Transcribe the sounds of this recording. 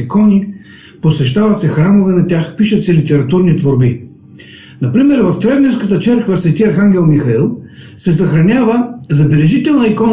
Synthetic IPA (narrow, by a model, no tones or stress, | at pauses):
ikɔni | posɛʃt̪avɐt̪sɛxɾamovɛnɐt̪ʲaxpiʃət̪sɛlit̪ɛɾɐt̪uɾnit̪voɾbi | nɐpɾimɛɾvɐft̪ɾɛvnɛɾskət̪ət͡ʃɛɾkvəsvɛt̪iɐɾxaŋɡʲɛlˠmixɐilˠ | sɛsɐxɾɐnʲavəzɐbɛlɛʒit̪ɛlˠnɐikɔn